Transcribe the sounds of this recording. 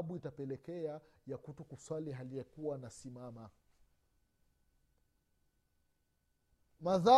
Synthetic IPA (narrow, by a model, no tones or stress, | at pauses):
ɓuitapɛlɛkɛajakutukuswaliɦaliɛkuwanasimama | maða